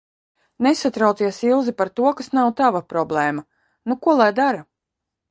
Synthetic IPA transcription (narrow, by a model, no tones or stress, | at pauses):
nesat̪ɾawt̪iɛsilˠzipaɾt̪uɔkasnawt̪avapɾɔblˠɛːma | nukuɔlˠajd̪aɾa